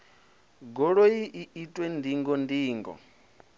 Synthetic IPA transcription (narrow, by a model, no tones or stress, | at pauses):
ɡɔɺojiʔiitʼwɛndiŋɡɔndiːŋɡɔ̰